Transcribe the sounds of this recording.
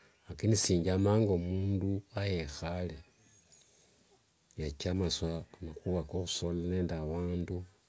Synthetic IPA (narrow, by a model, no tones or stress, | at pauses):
akinisiːɲɟamaːŋɡomuːnduajexale | jat͡ʃamaswanaxuβakoxu̥solaneːndaβaːndu